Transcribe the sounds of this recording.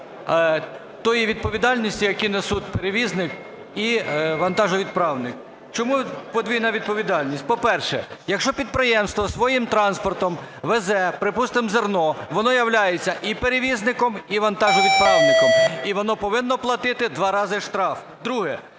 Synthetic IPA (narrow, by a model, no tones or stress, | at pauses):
t̪ɔjiʋʲid̪̚pɔʋʲid̪ɑlʲnʲisʲtʲijɐkʲinesut̪̚ʲpeɾeʋʲiznɪk | iʋɐnt̪ɑʒʊʋʲid̪̚pɾɑwnɪk | t͡ʃɔmupɔd̪ʲʋʲijnɐʋʲid̪̚pɔʋʲid̪ɑlʲnʲisʲtʲpɔpɛrʃɛ̰jɐkʃt͡ʃɔpʲid̪̚pɾɪjɛmst̪ʋɔsʋɔjimt̪ɾɑnspɔrt̪ɔmʋezɛpɾɪpust̪ɪmzernɔʋɔnɔjɐwlʲajet͡sʲːɐʔipeɾeʋʲiznɪkɔmiʋɐnt̪ɑʒʊʋʲid̪̚pɾɑwnɪkɔmiʋɔnɔpɔʋɪnːɔplˠɐt̪ɪt̪ɪd̪ʋɑɾɑzɪʃt̪ɾɑf | d̪ɾuɦɛ